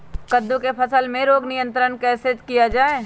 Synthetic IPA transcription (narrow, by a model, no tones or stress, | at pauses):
kɐd̪ːũkepʰɐsəlmẽɾoːɡnɪjə̃nt̪ɾənkɛːsed͡ʒkijad͡ʒaːeː